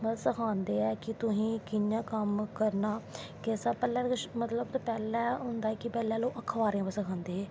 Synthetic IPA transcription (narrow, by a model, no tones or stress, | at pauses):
pəsəkʰãːnd̪eːɛːkɪt̪ʊsĩːkɪjãːkəmkəɾnaː | kɛːsaːpɛːlɛːkʃmət̪ləbt̪apɛːlɛːɦʊ̃nd̪aːɛːkɪpɛːlɛ̃ːloːʔəkʰːʋaːɾeãːbəsəkʰãːnd̪eːɛː